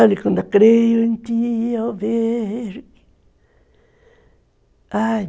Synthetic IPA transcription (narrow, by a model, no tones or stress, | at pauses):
alikond̪akɾejoint̪ioβeʐi | a